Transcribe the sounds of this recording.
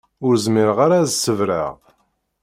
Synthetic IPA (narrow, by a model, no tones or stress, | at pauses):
ʊɾzmɪɾʁaɾazsəvɾa̰ʁ